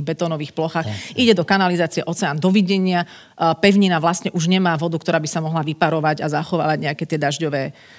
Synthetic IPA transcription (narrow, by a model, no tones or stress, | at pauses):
bɛt̪ɔːnɔʋiːxplɔxaːxʔiɟɛd̪ɔkanalizaːt͡siɛʔɔt͡sɛaːnd̪ɔʋiɟɛɲɪa | pɛʊɲinaʋlasɲɛʔuʒɲɛmaːʋɔd̪ukt̪ɔɾaːbisamɔɦlaʋipaɾɔʋaɟazaxɔʋa̰ːʋaɟɲɛakɛːt̪ɪɛd̪aʒɟɔʋɛː